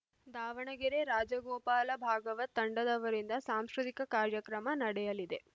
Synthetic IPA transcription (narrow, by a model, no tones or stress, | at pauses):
d̪aːʋɐɳɐɡiɾeɾaːd͡ʒɐɡɔːpaːlɐbʱaːɡɐʋɐt̪ɐɳɖɐd̪ɐʋɐɾind̪ɐsaːmskɾɨt̪ikɐkaːɾjɐkɾɐmɐnɐɽɛjɐlid̪e̞